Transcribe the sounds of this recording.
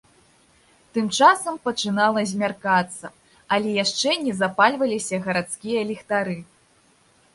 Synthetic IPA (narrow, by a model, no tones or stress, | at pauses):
t̪ɨmt͡ʂasɐmpɐt͡ʂɨnalˠɐzʲmʲarkat̪sːɐ | ɐlʲɛjaʂt͡ʂɛnʲɛzapalʲvɐlʲisʲɐɣɐɾat̪skʲijɐlʲixt̪aɾɨ